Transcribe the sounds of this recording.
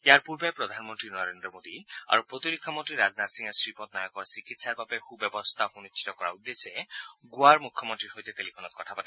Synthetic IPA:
ejaɹpuɹbepɹɔd̪ʱanmɔntɹinɔɹendɹɔmod̪ia̰ɹupɹot̪iɾikʰːɔmɔnt̪ɹiɾaznat̪siŋasɹipɔt̪̚najakɔɹsikit̪saɹbabɛxubɔbɔst̪ʰaxunitːʰi̥t̪ɔkɔɹa̰ud̪ːesɛɡuaɹmukʰːɔmɔnt̪ɹiɹɦojt̪ɛt̪elipʰɔnɔt̪̚kɔtʰapat̪ɛ

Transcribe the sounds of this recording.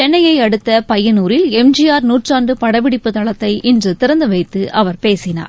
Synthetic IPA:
t͡ʃɛnːɐjɐɪɐɽɯt̪ːɐpɐjːɐnuːɾɪlɛmd͡ʒɪjaːɾnuːʈraːnɖɯpɐɽɐʋɪɽɪpːɯt̪ɐɭɐt̪ːɐɪʔɪndrɯt̪ɪɾɐnd̪ɯʋɐɪt̪ːɯʔɐʋɐɾpeːsɪna̰ːɾ

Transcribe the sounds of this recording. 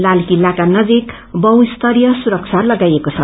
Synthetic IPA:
lalkilːakanʌd͡zik | bʌwist̪ʌɾijʌsuɾʌkt͡sʰalʌɡajekot͡sʰʌ

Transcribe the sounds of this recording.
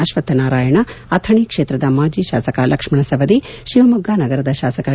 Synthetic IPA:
aʃʋɐt̪ːɐnaːɾaːjɐɳɐɐt̪ʰɐɳiːkʂeːt̪ɾɐd̪ɐmaːd͡ʒiːʃa̰ːsɐkalʔɐkʂmɐɳɐsɐʋɐd̪iʃiʋɐmɐɡːaːnɐɡɐɾɐd̪ɐʃaːsɐkɐ

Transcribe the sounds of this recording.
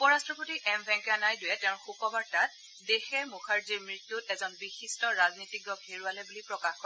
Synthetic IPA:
upɔɹastɹɔpotiʔɛmbʱɛŋkɛanajdʊjɛtɛʊ̃xukɔbaɹtat̚ | dexɛɹmuxʰaɹziɹmɹitːutɛzɔnbixistɔɹaznitiɡɹɔɡheɹualɛbulipɹɔkaxkɔɹɛ

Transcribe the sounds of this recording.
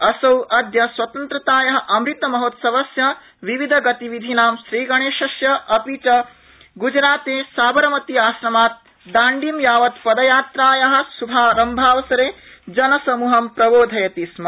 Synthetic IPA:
ɐsɐwʔɐd̪jɐswɐt̪ɐnt̪ɾɐt̪aːjɐɦɐ̆ʔɐmɾit̪ɐmɐɦoːt̪sɐʋɐsjɐ | ʋiʋid̪ʱɐɡɐt̪iʋid̪ʱinaːmʃɾiːɡɐɳeːʃɐsjɐɐpit͡ʃɐ | ɡud͡ʒɾaːt̪eːsaːbɐɾɐmɐt̪iaːʃɾɐmaːt̪̚ | d̪aːɳɖimjaːʋɐt̪pɐd̪ɐjaːt̪ɾaːjɐɦɐ̆subʱaːɾɐmbʱaːʋɐsɐɾeːd͡ʒɐnɐsɐmuːɦɐmpɾɐboːd̪ʱɐjɐt̪ismɐ

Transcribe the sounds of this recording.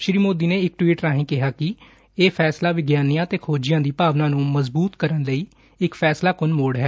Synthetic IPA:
ʃɾiːmoːd̪iːneːɪkʈwiːʈɾaːɦĩːkɪɦaːkɪ | eːpʰɛːslaːʋɪɡjaːnijãːt̪eːkʰoːd͡ʒɪjãːd̪iːpaːʋnãːnũːməzbuːt̪kəɾənləiː | ɪkpʰɛːslaːkʊnmoːɽɦɛː

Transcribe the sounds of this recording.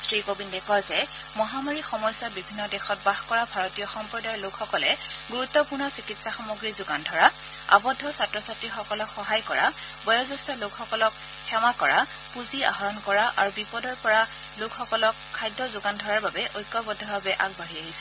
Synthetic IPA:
sɹikobindɛkɔzɛ | mɔɦamaɹixɔmɔjsɔtbibʱinːɔdɛxɔt̚baxkɔɹabʱaɹɔtijɔxɔmpɹɔdajɔlokxɔkɔlɛɡuɹut̪ːɔpuɹnɔsikitsaxamuɡɹizʊɡandʱɔɹa | a̰bɔdʱːɔsatɹɔsatɹixɔkɔlɔkxɔɦajkɔɹa̰ | bɔjɔzɔstɔlokxɔkɔlɔk | xɛmakɔɹa | puzia̰ɦɔɹɔnkɔɹaʔa̰ɹubipɔdɔɹpɔɹa | lokxɔkɔlɔkʰːajdːɔzʊɡandʱɔɹaɹbabɛʔojkːɔbɔdʱːɔbabɛʔakbaɹiaɦisɛ

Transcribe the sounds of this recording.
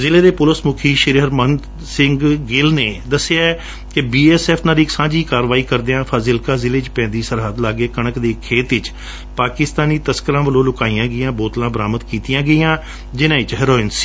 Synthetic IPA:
zɪleːd̪eːpʊləsmʊkʰiːʃɪɾɦəɾmən | sɪŋɡɡɪlneːd̪əseaːɛ | kɪbiːɛːsɛːpʰnãːd̪iːksãːd͡ʒiːkaːɾʋaːiːkəɾd̪eːãːpʰaːzɪlkaːzɪleːt͡ʃpɛ̃ːnd̪iːsəɾɦəd̪laːɡeːkəɳəkd̪eːkʰeːt̪ɪt͡ʃ | paːkɪst̪aːniːt̪əskəɾãːʋəlõːlʊkaːiːãːɡəɪjãːboːt̪lãːbəɾaːməd̪kiːt̪ijãːɡəiːãː | d͡ʒɪnãːɪt͡ʃɦəɾoːɪnsi̥ː

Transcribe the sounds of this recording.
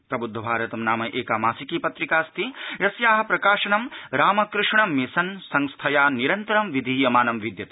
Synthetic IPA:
pɾɐbud̪ʱːɐbʱaːɾɐt̪ɐmnaːmɐʔeːkaːmaːsikiːpɐt̪ɾikaːst̪ʰiɾɐsjaːɦɐpɾɐkaːʃɐnɐmɾaːmɐkɾɪʂɳɐmisɐnsɐŋst̪ʰɐjaːniɾɐnt̪ɐɾɐmʋid̪ʱiːjɐmaːnɐmʋid̪jɐt̪

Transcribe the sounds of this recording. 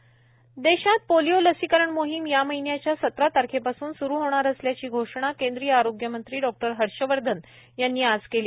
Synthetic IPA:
d̪eɕãt̪̚polijoləsikəɾəɳmoɦimjaməɦinjat͡ɕjasət̪ɾat̪aɾkʰepasuːnsuɾuːɦoɽ̃aɾəsljat͡ɕiːɡʱoʂɽ̃akẽnd̪ɾijəaɾoɡjəmənt̪ɾiːɖɔk̚ʈəɾɦəɽɕəʋəɾd̪ʱən | janːiːad͡zkeliː

